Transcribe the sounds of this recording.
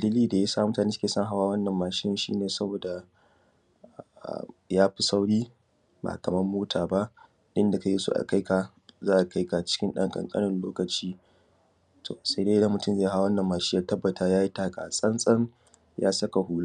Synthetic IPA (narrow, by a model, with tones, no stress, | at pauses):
dɐ˨liː˦liː˦da˨ja˦saː˦˨m˦taː˨niː˦sɐ˦keː˨sɐ˦ŋɦa˦waː˦wɐ˦nːɐ˨mːaː˨ʃɪ˦nɪ˦˨ʃḭː˦neː˨sɐ˦boː˨da˨ | a̰˨jaː˦ɸi˦sa˦wɽiː˦ | ba̰˨kɐ˨mɐ˦rmoː˦tʰaː˨ba˦ʔ | ɗɪ˦nda˨ka˨je˦sṵ˦ʔa̰˨ka˦jka˨ | zaː˦ʔa˨ka˦jka˨t͡ʃɪ̥˦kʲɪ˦nɗɐ̰˦ŋkʼɐ̰˨ŋkʼɐ̰˦nɪ˦nloː˦kɐ˨t͡ʃiː˦ | tʰo̰˨sa˦jde˦dɐ˦mʊ˨tʊ˦˨zeː˦ja˦ɦa˦wɐ˦nːɐ˨mːaː˨ʃi˦jaː˦tɐ˦bːɐ˨taː˦jaː˦ji˦taː˦kʼa̰˨sʼɐ˦nsʼɐ˦ŋ | jaː˦sɐ˦ka˨huː˦la˦